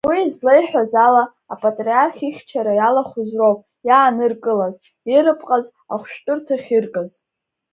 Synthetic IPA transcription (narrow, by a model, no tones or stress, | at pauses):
wizlejħʷᶣazalaː | pʼatʼriarχʲiχʲt͡ʃʰaɾajalaχʷʊzrowpʼ | jaːnɨrkʼɨlaz | iɾɨpʰʼqʼaz | aχʷʃᶣtʼʊrtʰaχʲirkʼaz